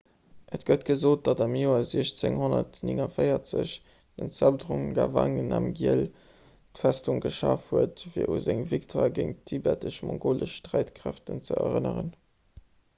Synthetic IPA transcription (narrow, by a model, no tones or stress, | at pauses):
ʔətɡ̥ətɡ̥əzoːt̚d̥ɑdɑmjoːɐziəɕt͡seŋhonɐtniŋɐfəɪɐt͡sə̰ɕ | d̥ənt͡sæbdʁuŋɡavɑŋənɑmɡiəl | tfæstuŋɡəʃɑːfhuətfiːɐʔuzæŋviktʰwaːɡəŋtʰːibɛtəʃmɔ̃ŋɡoːləʃʃtʁæɪtkʁæftənt͡səɐʁənəʁən